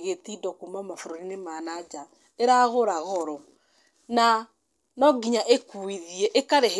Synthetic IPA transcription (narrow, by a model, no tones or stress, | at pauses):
ɣetidɔkumamafoɾoɾinemanad͡ʒa | eɾaɣoɾaɣɔɾɔ | na | nɔɡiɲaʔekuiðiɛʔekaɾeɦ